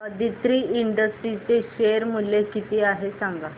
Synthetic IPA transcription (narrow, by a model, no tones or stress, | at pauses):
əd̪ʱit̪ɾiːiɳɖəsʈɾit͡seɕeɾmulːekit̪iːaɦesaŋɡa